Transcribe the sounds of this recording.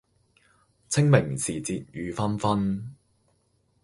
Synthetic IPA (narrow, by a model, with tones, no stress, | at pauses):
t͡sʰɪ˥ŋmɪ˨˩ŋsiː˨˩t͡siː˧t̚jyː˨˧fɐ˥nfɐ˥n